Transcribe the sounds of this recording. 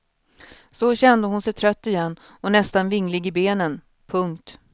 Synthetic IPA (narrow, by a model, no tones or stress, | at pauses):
sɔɕɛnd̪əɦʊnsɛjt̪ʰɾœt̪ːɪjɛnː | ɔnɛst̪anvɪŋːlɪɡɪbeːnən | pʰɵŋk̚t̪